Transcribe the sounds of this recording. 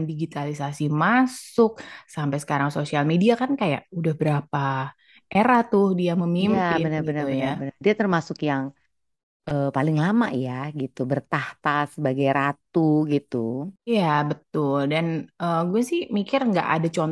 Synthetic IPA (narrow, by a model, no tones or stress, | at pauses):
ndiɡit̪alisasimasʊk̚sampajsə̥kaɾaŋsosialmediakankaja̰ʔudahbəɾapa | ʔeɾaht̪ʊhdiaməmimapbənəbənərəjabənərdiat̪ərmasʊkjaŋ | ʔəːpalɪŋlamajaɡit̪ubərt̪aht̪asəbaɡajɾat̪uɡit̪uijabət̪ʊldanʔəːɡuasɪhmikɪrŋɡa̰ʔa̰dat͡ʃɔn